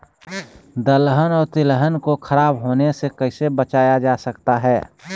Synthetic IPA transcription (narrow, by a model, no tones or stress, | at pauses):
d̪əlɦənɔːɾt̪ɪlɦənkokʰəɾaːbɦoːnesekəɪsebət͡ʃaːjad͡ʒasəkt̪aɦɛː